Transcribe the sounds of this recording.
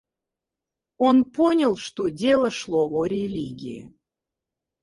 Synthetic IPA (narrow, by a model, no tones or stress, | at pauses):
onponʲəlˠʃt̪odʲelˠəʃlˠovoɾʲelʲiɡʲḭḭ